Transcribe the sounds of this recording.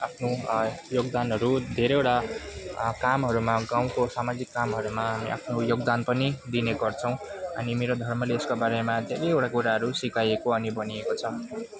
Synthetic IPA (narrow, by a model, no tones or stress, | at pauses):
apʰnojoɡd̪anɦʌɾud̪ʱeɾʌewʈa | kamɦʌɾumaɡaw̃kosamad͡zikːamɦʌɾumaɦamiʔa̰pʰnojoɡd̪anpʌnid̪ineɡʌrt͡sʰʌw̃ʌ̰nimeɾod̪ʱʌrmʌleːskobaɾemad̪ʱeɾejewʈakuɾaɦʌɾusikajekoʌnibʌniekot͡sʰʌ